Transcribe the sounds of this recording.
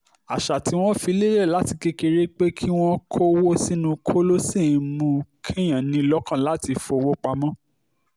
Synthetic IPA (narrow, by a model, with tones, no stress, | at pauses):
a˨ʃa˨ti˨˦w̃ɔ̃˦fi˧˦le˦ɾɛ˦˨la˨˦ti˧ke˧ke˧ɾe˦k͡pe˦kʰi˦w̃ɔ̃˦kʰo˦wo˦si˦nũ˦kʰo˦lo˦si˦˨˧mũ˧˦kʰɛ˦j̃ã˨nĩ˧˦lɔ˦kã˦˨la˨˦ti˧fo˧wo˦k͡pa˧mɔ̃˦